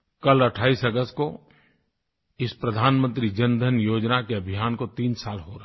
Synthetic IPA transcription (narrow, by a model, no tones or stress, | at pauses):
kɐlɐʈʰaːiːsəɡəst̪̚ko | ɪspɾəd̪ʱaːnmə̃nt̪ɾid͡ʒɐnd̪ʱənjoːd͡ʒnakeɐbʱɪjaːnkot̪iːnsaːlɦoɾa